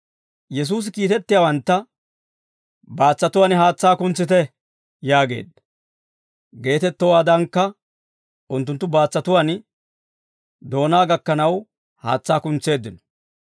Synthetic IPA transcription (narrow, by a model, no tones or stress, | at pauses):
jɛs̬uːs̬ɪkiːt̪ɛt̪ːɪjawɐnt̪ːɐ | baːt͡sːɐt̪ʊwaːnɪɦaːt͡sːaːkʊnt͡sːɪt̪ɛ | jaːɡe̞̰ːd̪ɐ | ɡe̞ːt̪ɛt̪ːɔwaːd̪ɐŋkːɐ | ʊnt̪ːʊnt̪ːʊbaːt͡sːɐt̪ʊwan | d̪o̞ːnaːɡɐkːɐnɐw | ha̰ːt͡sːaːkʊnt͡se̞ːd̪ːɪnɔ